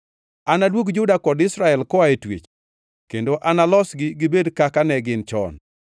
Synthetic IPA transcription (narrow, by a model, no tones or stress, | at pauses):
anadwoɡd͡ʒʊdakɔdɪsɾaɛlkɔaetwḭt͡ʃ | kendoʔanalɔsɡɪɡɪbedkakanɛɡɪnt͡ʃɔ̰n